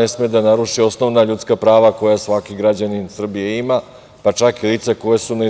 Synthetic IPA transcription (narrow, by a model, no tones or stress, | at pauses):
esmed̪anaɾuʃio̞sno̞ʋnaʎut̪skapɾaːʋako̞jasʋakiɡɾad͡ʑaninsr̩bijeima | pat͡ʃakiliːt̪seko̞jesuna